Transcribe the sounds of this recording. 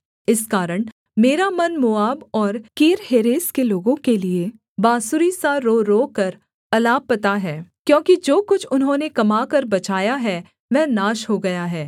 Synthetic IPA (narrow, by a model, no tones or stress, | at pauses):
ɪskaːɾəɽ̃ | meːɾamɐnmʊaːbɔːɾkiːɾɦeːɾeːskeloːɡõkelie | baːsʊɾisaɾoːɾoːkɐɾ | ɐlaːpːɐt̪aɦɛːkjõːkid͡ʒoːkʊt͡ʃʰʊnɦõnekɐmaːkɐɾbɐt͡ʃaːjaɦɛ | ʋɛːnaːʃɦoɡɐjaɦɛː